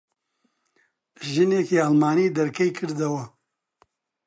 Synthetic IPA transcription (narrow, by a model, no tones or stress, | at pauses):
ʒɨneːkiːalmaːniːd̪ɐɾkʰɐjkʰɨɾd̪ɐwɐ